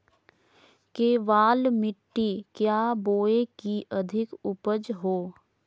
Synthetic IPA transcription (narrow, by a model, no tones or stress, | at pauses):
keːʋaːlmɪʈːikjaːboːekiʔəd̪ʱɪkʊpəd͡ʒɦoː